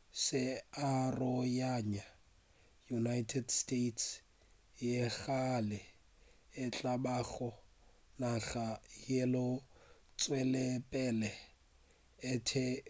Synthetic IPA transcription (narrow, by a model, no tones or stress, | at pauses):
sɪarɔjaɲa | junajtʰɛdstetʰs | jeɣalɪ | ɪt͡ɬʼabaɣɔ | naɣajelʊt͡sʼwɛlɛpʼɛlɛ | ɪtʰɪ